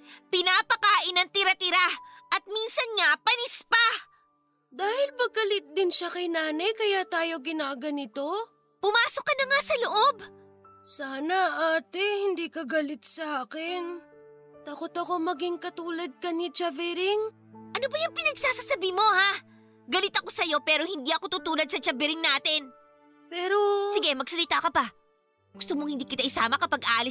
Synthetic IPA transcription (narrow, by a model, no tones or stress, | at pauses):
pɪnaːpɐkaːʔɪnɐŋt̪ɪɾɐt̪ɪɾaʔɐt̪̚minsɐnŋapɐnɪspa | d̪aːhɪlpɐɡ̚kɐlɪt̪̚d̪ɪnʃakɐjnaːnɐjkɐjaːt̪aːjo̞ɡɪnaːɡɐnɪt̪o̞ | pʊmaːsokːɐnɐŋasɐloʔob | saːnɐʔaːt̪ɛhɪnd̪iːkɐɡɐlɪt̪̚sɐʔaːkɪn | t̪akot̪ɐko̞mɐɡiŋkɐt̪uːlɐd̪̚kɐnit͡ʃɐvɛɾɪŋ | ʔɐnobɐjʊŋpɪnɐɡsaːsasɐbiːmo̞ha | ɡɐlɪt̪ɐko̞sɐjo̞pɛːɾo̞hɪnd̪iːʔɐko̞t̪ut̪uːlɐd̪̚sɐt͡ʃɐbɪɾɪŋnaːt̪ɪn | pɛːɾosɪɡɛmɐɡsɐlɪt̪akɐbɐ | ɡʊst̪omoŋhɪnd̪iːkɪt̪aʔɪsaːmɐkɐpɐɡʔaːʔɐlɪ